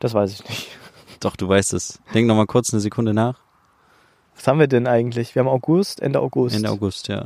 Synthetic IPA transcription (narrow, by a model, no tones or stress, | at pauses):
d̥asv̥aɪsɪçnɪçt | d̥ɔχd̥uːvaɪstɛsd̥ɛŋk̚nɔχmaːlkʰʊɐt͡snəzekʰʊndənaːχ | vashaːbmviːɐdɛnʔaɪɡŋ̩tlɪçv̥iːɐabmaʊɡʊstʔɛ̰ndəʔa̰ʊɡʊsʔɛ̰ndəa̰ʊɡʊstʰja̰ː